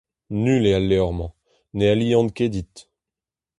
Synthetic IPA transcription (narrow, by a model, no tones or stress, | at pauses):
nylealːeɔʁmɑ̃ | nealiɑ̃nked̪it̪